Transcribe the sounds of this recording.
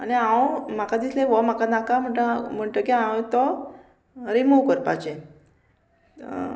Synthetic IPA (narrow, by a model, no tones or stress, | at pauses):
a̰niãwmakad̪islẽʋɔmakanakam̤əɳʈəm̤əɳʈəkiãwt̪ɔ | ɾimuʋkəɾpa̰t͡ɕe